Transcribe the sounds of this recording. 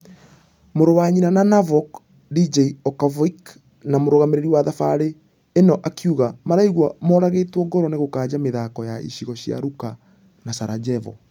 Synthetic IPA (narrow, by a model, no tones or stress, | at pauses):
moɾowaɲinananavɔk | did͡ʒeiɔkavɔik | namoɾoɣameɾeɾiwaðafaɾeː | nɔʔakʰjuɣamaɾaiɣwamɔɾaɣeːtwɔɡɔɾɔneɣokaːd͡ʑameðakɔjaʔḭɕiɣɔɕja̰ɾuka | nasaɾad͡ʑɛvɔ̰